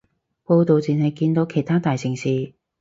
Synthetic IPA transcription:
po˧wt̪o˨wt͡siː˨nhɐ˨jkiː˧nt̪o˨˧wkʰe˨˩jt̪ʰaː˥t̪aː˨jsɪ˨˩ŋsiː˨˧

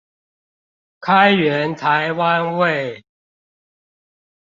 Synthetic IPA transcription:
kʰa˦ɪɥɛ˨˦nt̪ʰa˨˦ɪwa˦nwe˥˨ɪ

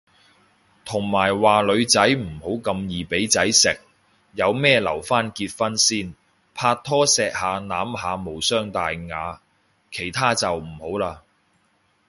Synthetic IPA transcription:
t̪ʰʊ˨˩ŋmaː˨˩jwaː˨lɵ˨˧ɥt͡sɐ˨˥jm̩˨˩ho˨˥wkɐ˧mjiː˨pe˨˥jt͡sɐ˨˥jsɪ˨k̚ | jɐ˨˧wmɛː˥lɐ̰˨˩wfaː˥nkiː˧t̚fɐ˥nsiː˥˩n | pʰaː˧t̪ʰɔː˥sɛː˧k̚haː˨˧naː˨˥mɦaː˨˧mo˨˩wsœː˥ŋt̪aː˨jŋaː˨˧ | kʰe˨˩jt̪ʰaː˥t͡sɐ˨wm̩˨˩ho˨˥wlaː˧

